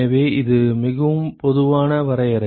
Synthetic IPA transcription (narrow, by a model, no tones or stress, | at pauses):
ɐʋeːɪðɯmɪɣɐʋɯmpɔðɯʋaːnɐʋɐɾɐjɐɾɐ